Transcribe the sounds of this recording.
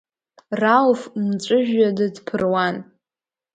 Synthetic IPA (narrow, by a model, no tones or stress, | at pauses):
ralfmt͡ʃʷʼʊʒᶣadɨdpʰɨrwan